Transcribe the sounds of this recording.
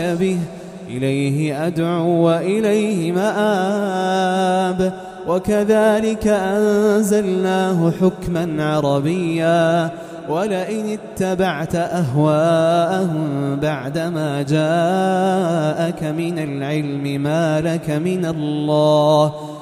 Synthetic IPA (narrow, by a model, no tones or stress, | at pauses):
abɪh | ʔɪlajɦɪʔad̪ʕʊʔɪlajhɪmaʔaː | b | wakaðaːlɪkaʔanzalnaːɦʊħʊkmanʕɑɾˤɑbɪjːaː | walɪʔɪnɪt̪ːabaʕt̪ʔaɦwaːʔahʊmbaʕd̪amaːd͡ʒaː | ʔakamɪnalʕɪlmɪmaːlakamɪnalːɑːh